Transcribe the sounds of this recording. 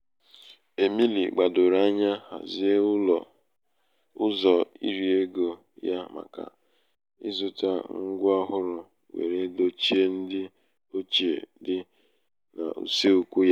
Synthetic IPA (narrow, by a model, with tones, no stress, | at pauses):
e˨mi˦lḭ˨ɡ͡ba˨dʊ˨ɾa˦ɲa˦ha̰˨zi˦e˦˨ | ʊ˦zɔ˨ḭ˦ɾi˨e˦ɡo˨ | ja˦ma̰˨ka̰˨ | ɪ˦zʊ˨ta˦ŋ̩˦ɡʷʊ˦a˦ɦʊ˦ɾʊ˨ | wḛ˨ɾe˦do˦t͡ʃi˦e˦n̩˦dɪ˦ | o˦t͡ʃḛ˨dɪ˦ | na̰˨ṵ˨se˦u˦kʷu˦ja˦